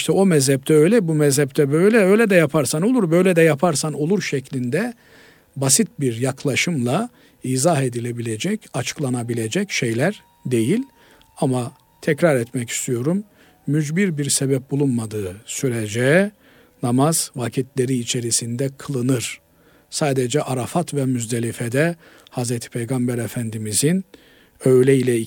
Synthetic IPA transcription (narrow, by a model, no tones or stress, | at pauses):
ʃt̪ʰɛo̞mɛzhɛp̚t̪ʰɛø̞jlʲɛbumɛzhɛp̚t̪ʰɛbø̞jlʲɛøjlʲɛd̪ɛjapʰaɾsano̞lˠuɾbø̞jlʲɛd̪ɛjapʰaɾsano̞lˠuɾʃɛcʰlʲind̪ɛ | basit̪̚biɾjaklˠaʃɯmlˠa | iːzaɦe̞d̪ilʲe̞bilʲed͡ʒɛcat͡ʃʰɯ̥klˠanabilʲe̞d͡ʒɛcʃe̞jlʲæɾ | d̪e̞jilʲ | ama | t̪ʰɛcɾaɾɛt̪mɛci̥st̪ʰijo̞ɾumː | yd͡ʒbiɾbiɾsebɛp̚bulˠunmad̪ɯːsyɾed͡ʒɛ | namaz̥vacʰit̪lʲe̞ɾiːt͡ʃʰe̞ɾisind̪ɛkʰɯlˠɯnɯɾ̥ | saːd̪ed͡ʒɛʔaɾafat̪vɛmyzd̪elʲifed̪ɛ | hazɾet̪ʰi̥pʰejɡambæɾefænd̪imizin | ø̞jlʲɛilʲɛ